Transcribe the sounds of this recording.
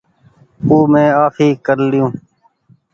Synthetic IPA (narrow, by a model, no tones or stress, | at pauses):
puːmẽːaːfiːkəɾlɪjũː